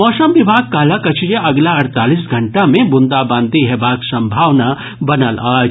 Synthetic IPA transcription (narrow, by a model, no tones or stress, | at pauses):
mɔːsəmʋɪbʱaːɡ̚kaːlakɐt͡ʃʰjeɐɡlaɐɾt̪aːlis̬ɡʱɐɳʈamẽbʊnd̪abãːnd̪ʱiɦɛbaːksɐ̃mbʱaːʋna | bɐnəlaːd͡ʒ